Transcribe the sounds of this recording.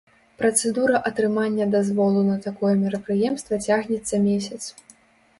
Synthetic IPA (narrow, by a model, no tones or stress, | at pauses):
pɾɐt̪sɛd̪uɾɐʔɐt̪ɾɨmanʲːɐd̪azvɔlˠunɐt̪akɔjɛmʲiɾɐpɾɨjɛmst̪vɐt͡sʲaɣnʲɛt̪sːɐmʲesʲɐt̪s